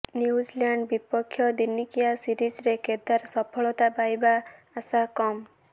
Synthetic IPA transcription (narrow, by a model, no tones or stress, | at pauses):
niud͡ʒilaɳɖbipɔkʰːjɔd̪inːikijasiɾid͡ʒɾeked̪aɾsɔpʰɔɭɔt̪apajbaː | sakɔm